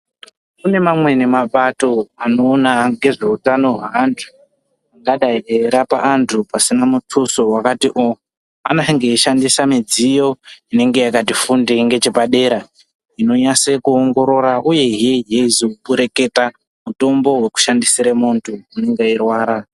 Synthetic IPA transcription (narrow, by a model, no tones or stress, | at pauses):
kune̞mamwe̞ne̞mapato̞ano̞ːnaɡe̞ʐe̞utano̞ɦaantʰu̥ | aɡaɗaeɾapa̰ʔantʰupasinamutʰuso̞wakatiʔo | anaŋɡeiʃandisamid͡zijo̞ine̞ŋɡe̞jakatifundeŋɡe̞t͡ʃepaɗe̞ːɾa | ino̞ɲasekuoŋɡo̞ɾo̞ɾaʔuje̞ɦieeizoupuɾe̞ke̞ta | muto̞mbo̞we̞ku̥ʃandisiɾamuntʰuineŋɡairwaːɾa